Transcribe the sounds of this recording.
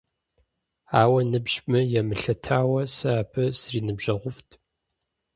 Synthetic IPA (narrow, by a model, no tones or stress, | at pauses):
aːwɐnɨbʒmɨjɛmɨɬɐtʰaːwɐsɨaːpʰɨsriːnɨbʒɐʁʷʊftʰ